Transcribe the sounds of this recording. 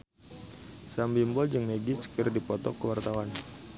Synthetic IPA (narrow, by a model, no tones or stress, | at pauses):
sambimbɔld͡ʒəŋmeɡit͡ʃə̥kərdipɔt̪ɔ̰kəwart̪awan